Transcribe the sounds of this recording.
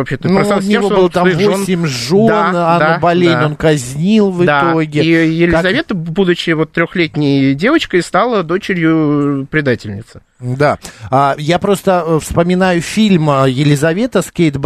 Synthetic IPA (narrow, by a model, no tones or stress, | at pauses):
vɐpɕet̪ənˠnʲvobɨlˠt̪amvosʲɪmʲʐonanobɐlʲezʲnʲo̞nkɐzʲnʲilˠvɨd̪tao̞ɡʲɪijɪlʲɪzɐvʲet̪əbud̪ʊt͡ɕːɪvot̪ːɾʲoxlʲetʲnʲɪjdʲe̞vət͡ɕkəjst̪alˠəd̪o̞t͡ɕɪɾʲjʊpɾʲɪd̪atʲɪlʲnʲɪt̪sɨ̥ | d̪aajapɾo̞st̪əfspəmʲɪnajʊfʲilʲməjɪlʲɪzɐvʲe̞t̪əskʲejt̪b